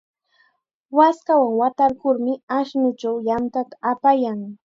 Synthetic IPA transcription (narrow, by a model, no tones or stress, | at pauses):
waskawaŋwat̪aɾkʊɾmɪaʃnʊt͡ʃawjant̪at̪ḁapajaŋ